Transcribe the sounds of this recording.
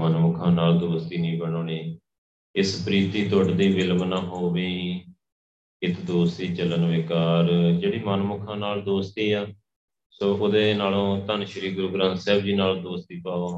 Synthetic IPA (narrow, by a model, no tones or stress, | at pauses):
mənmʊkʰãːnaːld̪oːst̪iːnĩːbəɽ̃oːniː | ɪspɾiːt̪iːt̪əʈd̪iːʋɪlʋnaːɦoːʋeːi | ɪt̪d̪oːst̪iːt͡ʃələnʋeːkaːɾd͡ʒeːɽiːmanmʊkʰãːnaːld̪oːst̪iːaː | soːʔʊd̪eːnaːlõːt̪ənʃəɾiːɡʊɾoːɡɾãːnsɛːbd͡ʒiːnaːld̪oːst̪iːpaːoː